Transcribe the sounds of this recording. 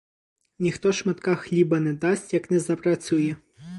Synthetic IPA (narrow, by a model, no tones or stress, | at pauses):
nʲixt̪ɔʃmɐt̪kɑxlʲibɐnɛd̪ɑsʲtʲjɐknɛzɐpɾɐt͡sʲujɛ